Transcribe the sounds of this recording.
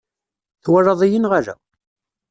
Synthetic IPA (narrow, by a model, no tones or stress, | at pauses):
θwərɑðˤijənʁaɾæ̰